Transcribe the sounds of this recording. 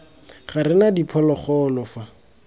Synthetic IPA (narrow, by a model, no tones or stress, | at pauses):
χaɾɪnadipʰɔlɔχɔːlɔfa